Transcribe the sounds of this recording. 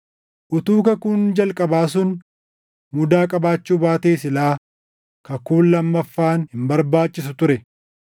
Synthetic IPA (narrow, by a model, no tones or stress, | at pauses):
ʔʊt̪uːkɐkʊnd͡ʒɐlkʼɐbaːs̬ʊn | mʊd̪aːkʼɐbaːt͡ʃːuːbaːt̪eːsɪlaː | kɐkuːnlɐmːɐfːaːnhɪmbɐɾbaːt͡ʃʼːɪsʊt̪ʊɾɛ